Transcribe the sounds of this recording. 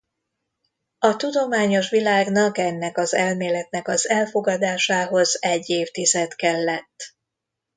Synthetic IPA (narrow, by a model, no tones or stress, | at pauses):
ɒt̪ud̪o̞maːɲo̞ʃʋilaːɡnɒkɛnːɛkɒzɛlmeːlɛt̪nɛkɒzɛlfo̞ɡɒd̪aːʃaːɦo̞zɛɟːeːft̪izɛt̪kɛlːɛt̪ː